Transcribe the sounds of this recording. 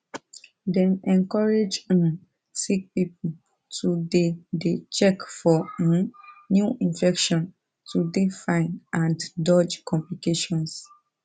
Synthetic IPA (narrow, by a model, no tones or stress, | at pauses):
dɛ̃nɛ̃ŋkɔɹed͡ʒĩm | sik̚pip | tʰudedet͡ʃɛkfɔ̃ | njuʔĩnfɛkʃɔ̃n | tʰudefãɪnʔãndɔd͡ʒkɔ̃mplikeʃɔ̃ns